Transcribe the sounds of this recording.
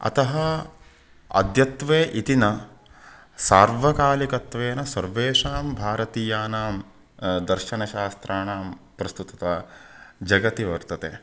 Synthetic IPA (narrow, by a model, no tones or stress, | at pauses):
ɐ̰t̪ɐɦɐ | ɐ̰d̪jɐt̪ʋeːʔit̪inɐ | saːɾʋɐkaːlikɐt̪ʋeːnɐsɐɾʋeːʂaːmbʱaːɾɐt̪iːjaːnaːm | d̪ɐɾʃɐnɐʃaːst̪ɾʔaːnaːmpɾɐst̪ut̪ɐt̪aːd͡ʒɐɡɐt̪iʋɐɾt̪ɐt̪eː